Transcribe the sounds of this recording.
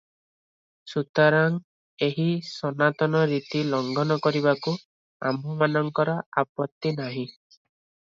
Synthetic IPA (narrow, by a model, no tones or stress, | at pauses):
sut̪aɾaŋ | eɦisɔnat̪ɔnɔɾit̪ilɔŋɡʱɔnɔkɔɾiβaku | a̰mɔmanɔŋkɔɾɔapɔt̪ːinaɦĩ